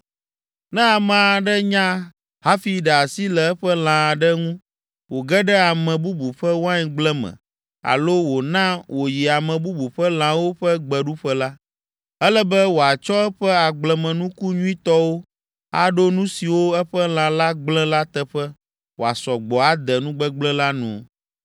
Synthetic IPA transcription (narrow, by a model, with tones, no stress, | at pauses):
nɛ̃˦a˨mã˨a˨ɖɛ˦ɲã˦ | ɦa˦fi˨ɖɛ˨a˨si˦lɛ˨ɛ˦ɸɛ˦l̃ã˨a˨ɖɛ˦ŋũ˦ | wo˨ɡɛ˦ɖɛ˦a˨mɛ̃˨bu˦bu˨ɸɛ˦wo˦a˦ɲĩ˨ɡ͡blɛ̃˦mɛ̰̃˨ | a̰˨lo˦wo˨nã˦wo˨ji˨a˨mɛ̃˨bu˦bu˨ɸɛ˦l̃ã˨wo˦ɸɛ˦ɡ͡bɛ˨ɖu˦ɸɛ˦la˦ | ɛ˦lɛ˦bɛ˦wo˨a˨t͡ʃɔ˦ɛ˦ɸɛ˦a˨ɡ͡blɛ̃˨mɛ̃˨nũ˦ku˦ɲũ˦ĩ˦t̪ɔ˦wo˦ | a˦ɖo˦nũ˦si˨wo˦ɛ˦ɸɛ˦l̃ã˨la˦ɡ͡blɛ̃˦la˦t̪ɛ˦ɸɛ˦ | wo˨a˨sɔ˨ɡ͡bɔ˨a˦d̪ɛ˨nũ˦ɡ͡bɛ˦ɡ͡blɛ̃˦la˦nṵ̃˨